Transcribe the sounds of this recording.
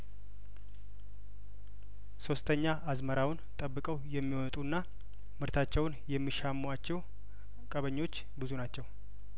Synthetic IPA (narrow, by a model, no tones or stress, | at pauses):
so̞st̪ʰəɲːaʔazməɾawʊnt̪ʼəbːɨkʼəwjɛmːiwɔt̪ʼunːa | mɨɾt̪ʰat͡ʃːɛwʊnjɛmːiʃamːwat͡ʃːɛw | kʼəβəɲːo̞t͡ʃː | bɨzunat͡ʃːɛw